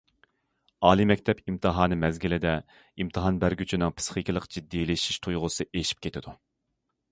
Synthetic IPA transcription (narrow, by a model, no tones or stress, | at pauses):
ɑːlˠimɛkʲt̪ʰɛpimt̪ʰɨɦɑːnɨmɛzɡʲilɪd̪ɛ | imt̪ʰɨɦɑnbæɾɡʲyt͡ʃʰinɨŋpʰɨ̥sχikʲilˠəqd͡ʒid̪ːilɪʃi̥ʃt̪ʰujʁʊsɨʔeʃi̥p̚kʲʰet̪ʰɪd̪̥u